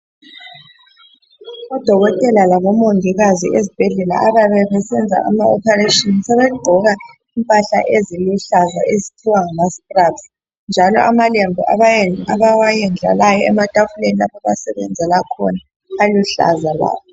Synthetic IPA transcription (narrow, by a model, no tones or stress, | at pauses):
ɔd̥ʱɔɣɔtʼɛlalaɣɔmoŋʱiɣazḭʔezib̥ʱɛɮɛla̰ʔaβaβɛβɛsɛnd͡zʱa̰ʔa̰maɔpʰɛretʼɔnsɛβɛɡ͡ǃʱɔɣa | impʼaɬa̰ʔeziluɬazaʔezitʰiwaŋamastʼrabs | nd͡ʒʱalɔ̰ʔamalembʱiʔaaβawajɛnd͡ɮʱa̰lajɔɛmad̥ʱʼavuleniaβaβasɛβɛ̰nd͡zʱɛlakʰɔ̰na | aluɬa̰zaβa̰ːβɔ